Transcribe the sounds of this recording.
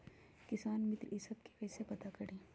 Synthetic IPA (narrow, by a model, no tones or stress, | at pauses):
kɪsaːnmɪt̪ɾɪsəb̚ke̥pɛsepɐt̪akɐɽẽː